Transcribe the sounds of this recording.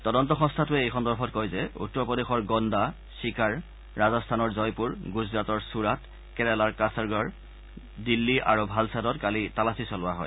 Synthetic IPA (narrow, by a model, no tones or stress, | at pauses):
tɔdɔntɔxɔ̃ŋstʰatʊɛejkʰɔntɔɹpʰɔtkojzɛṵtːɔɹpɔdexɔɹɡɔnda | sikaɹː | azɔstʰanɔɹzɔjpuɹɡuzɹatɔɹsuɹat | kɛlɛlaɹkasaɹɡaɹ | dilːiʔaɹubʱalsʰadɔtkalitalasisɔlʊwaɦɔ̰j